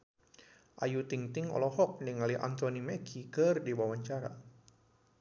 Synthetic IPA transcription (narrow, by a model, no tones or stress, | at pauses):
ʔa̰jut̪iŋt̪ɪŋɔ̰lɔhɔk̚niŋaliʔa̰nt̪onimɛkʰikərdiwawaɲt͡ʃaɾa̰